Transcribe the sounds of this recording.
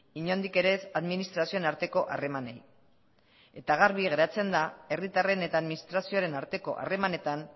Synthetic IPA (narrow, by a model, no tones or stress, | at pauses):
iɲo̞nd̪ike̞ɾe̞saðminist̪ɾasio̞enaɾt̪e̞ko̞ʔa̰re̞manej | e̞t̪aɣ̞aɾβiɣe̞ɾat͡se̞nd̪ae̞rit̪are̞ne̞t̪aːðminist̪ɾasio̞aɾe̞naɾt̪e̞ko̞̰ʔa̰re̞mane̞t̪an